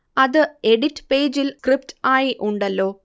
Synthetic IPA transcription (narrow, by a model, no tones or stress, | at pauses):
ɐðɨe̞ɽitːpe̞ːd͡ʑilkrip̚taːjiʔuɳɖɐlːo̞ː